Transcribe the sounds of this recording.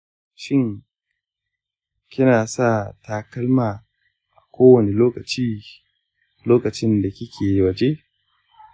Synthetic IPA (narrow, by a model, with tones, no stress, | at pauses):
ʃɪ˦ŋ | kʲɪ˦naː˨sa˦˨taː˦kɐ˦lmaː˨ | ʔa˨kʷoː˦wɐ˨ne˨loː˦kɐ˨t͡ʃiː˦ | loː˦kɐ˨t͡ʃɪ˦nda˨kʲɪ˦kʲʰeː˨jwɐ˨d͡ʒe˦